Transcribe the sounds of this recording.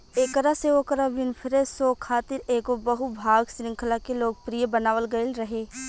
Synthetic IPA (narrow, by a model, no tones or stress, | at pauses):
eːkəɾaseʋokəɾaʋɪnpʰɪɾesoːkʰaːt̪ɪɾeːɡobəɦubʱaːɡsɾɪ̃ŋkʰəlakeloːɡ̚pɾijebənaːʋəlɡɐɪlɾɐɦeː